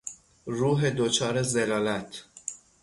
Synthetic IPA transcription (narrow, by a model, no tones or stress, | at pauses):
ruːɦed̪ot͡ʃʰɒːɾezelɒːlæt̪ʰ